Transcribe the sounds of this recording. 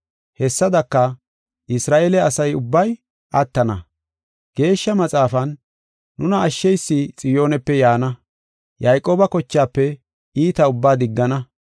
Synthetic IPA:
hɛsːɐd̪ɐkːɐ | ʔɪsɾaːʔeːlɛɐsɐjʊbːɐj | ʔɐt̪ːɐnɐ̰ | ɡ̥e̞ːʃːɐmɐt͡sʼaːfɐnː | ʊnɐːʃːɛjsːit͡sʼɪjo̞ːnɛpːɛjaːnɐ | jɐjkʼo̞ːbɐkɔt͡ʃːaːpːɛ | iːt̪ɐʊbːaːd̪ɪɡːɐnɐ

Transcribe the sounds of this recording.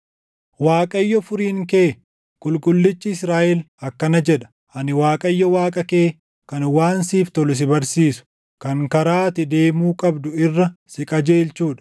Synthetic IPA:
waːkʼɐjːɔfʊɾiːŋke̞ː | kʼʊlkʼʊlːɪt͡ʃːɪɪsɾaːʔɛl | ɐkːɐnɐd͡ʒɛᶑɐ̥ | ʔɐnɪwaːkʼɐjːɔwaːkʼɐkeː | kɐnwaːnsiːft̪ɔlʊs̬ɪbɐɾsiːsʊ̥ | kɐŋkɐɾaːt̪ɪd̪e̞ːmuːkʼɐbd̪ʊɪrːɐsɪkʼɐd͡ʒe̞ːlt͡ʃuːᶑɐ̥

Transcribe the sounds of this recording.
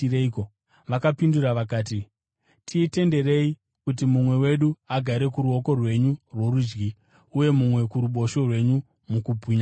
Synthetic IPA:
ɾeko | ʋakapinduraʋakaːti | tʰiːte̞nde̞re̞i | kut̬imumwe̞we̞ɗuaɡʱaɾe̞kuɾuo̞ko̞rwe̞ɲurwo̞ɾud͡ʒɡi | uje̞mumwe̞kuɾuɓo̞ʃo̞rwe̞ɲu | mukubʱiɲa

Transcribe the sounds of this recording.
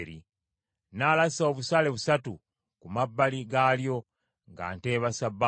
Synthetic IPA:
ɾi | nalasaoβusaːle̞βusatu | kumabːaliɡaːljo̞ | ŋɡa̰ːnteːβasabːa

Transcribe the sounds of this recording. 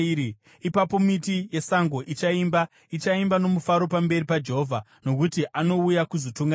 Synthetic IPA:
i | ipapo̞mitije̞saŋɡo̞ʔit͡ʃaimba | it͡ʃaimbano̞mufaɾo̞pambe̞ripad͡ʒe̞ɦovʱa | no̞kutiʔano̞ujakuzotuŋɡa

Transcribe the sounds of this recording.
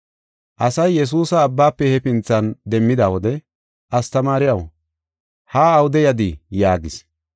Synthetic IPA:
ʔɐsɐjːɛs̬uːsɐːbːaːpːɛhɛpɪnt͡sːɐnd̪ɛmːɪd̪aːwɔd̪ɛ | ʔɐst̪ɐmaːɾɪjɐw | haːɐwʊd̪ɛjɐd̪ijaːɡɪs

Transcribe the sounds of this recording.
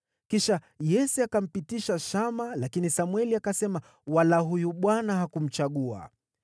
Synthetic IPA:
kiʃa | jɛsɛakam̩pitiʃaʃamalakinisamwɛliakasɛma | walaɦujuɓwanaɦakum̩t͡ʃaɠua̰

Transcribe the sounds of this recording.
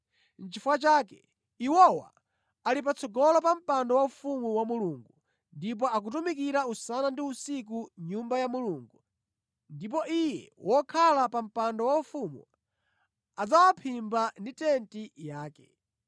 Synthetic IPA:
n̩t͡ʃifuwat͡ʃaːkɛ | iwɔwa̰ | alip̬at͡sʰɔɡɔlɔpam̩pandɔwaufumuwamuluŋɡu | ndip̬ɔak̬ut̬umikiɾausanandiusik̬uɲumbajamuluːŋɡu | ndip̬ɔʔijɛwʔɔkʰalapam̩pandɔwaufumu | ad͡zawapʰimbanditɛntijaːkɛ̥̰

